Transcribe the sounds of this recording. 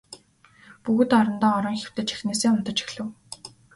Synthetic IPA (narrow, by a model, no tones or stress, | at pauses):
puɣɘ̆t̪ɔɾɞ̆nt̪ɔːɔɾɞ̆ŋxʲew̥t̪ɘ̆t͡ɕi̥xneːseːʊnt̪ə̆t͡ɕi̥xɮɘ̆w